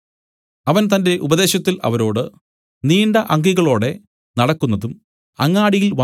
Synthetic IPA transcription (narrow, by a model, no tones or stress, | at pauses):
ɐʋɐnt̪ɐnde̞ʔubɐðe̞ːɕɐt̪ːilɐ̰ʋɐɾo̞ːɽɨ | niːɳɖɐʔɐŋɡiɣɐɭo̞ːɽe̞ | nɐɽɐkːunːɐðum | ɐŋːaːɽijilʋɐ